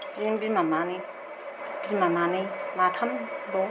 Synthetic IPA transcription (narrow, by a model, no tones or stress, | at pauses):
pimbimamani | bimamanimatʰambɔ